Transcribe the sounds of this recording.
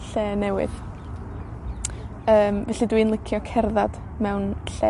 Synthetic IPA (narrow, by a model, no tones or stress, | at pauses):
ɬɛːnɛwɪ̰ð | əːmvɛɬidwinlˠəkʰjɔkʰɛrðad̥ | mɛwnɬɛ